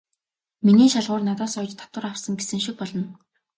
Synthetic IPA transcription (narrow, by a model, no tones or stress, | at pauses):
miniːʃaɮʁʊːrnat̪ɔːsɔːt͡ɕt̪ʰːḁt̪wə̆ɾawsə̆ŋɡesɘ̆ŋʃik̚pɔɮɞ̆n